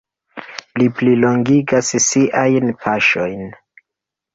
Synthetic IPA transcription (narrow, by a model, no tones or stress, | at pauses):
lipliloŋɡiɡassiʔajnpʰaʃo̞jn